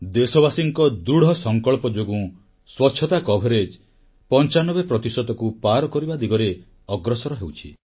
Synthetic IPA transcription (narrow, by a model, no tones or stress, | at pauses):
d̪esɔbasiŋkɔd̪uɽɔsɔŋkɔɭpɔd͡ʒoɡũ | swɔtːʃʰɔt̪akɔbʱeɾed͡ʒ | pɔnt͡ʃanɔbepɾɔt̪isɔd̪ɔkupaɾɔkɔɾibad̪iɡɔɾe | ɔɡɾɔsɔɾɔɦewt͡ʃʰi